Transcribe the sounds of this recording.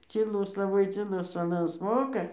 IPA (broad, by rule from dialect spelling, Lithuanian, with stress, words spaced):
t͡sʲiːˈlˠʊs lˠɐˈbɐɪ t͡sʲiːˈlˠʊs ɐˈnɐs ˈmoːkɐ